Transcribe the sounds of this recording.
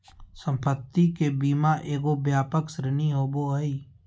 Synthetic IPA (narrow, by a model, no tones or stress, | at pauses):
sə̃mpət̪ːikebiːmaʔeːɡobjaːpəksɾɪniɦoːboɦəiː